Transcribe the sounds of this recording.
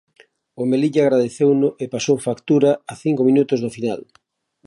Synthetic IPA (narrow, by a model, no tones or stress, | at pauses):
ʊmeliʎaːɣɾaðeθewnʊʔepasowfakt̪uɾaaθiŋkomĩnut̪ʊzðʊfinal